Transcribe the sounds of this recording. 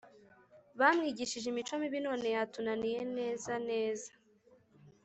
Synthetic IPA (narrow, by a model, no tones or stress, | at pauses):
βamŋiːɟiʃiʒeimit͡ʃomiβino̞ːne̞jatunanije̞ne̞ːzane̞ːzḁ